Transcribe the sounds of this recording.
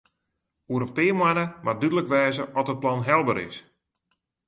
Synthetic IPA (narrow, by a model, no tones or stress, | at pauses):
uəɾənpɪːmwanəmadydələkʋɛːzəʔɔtət̚plɔnɦɛlˠbəɾɪ̰s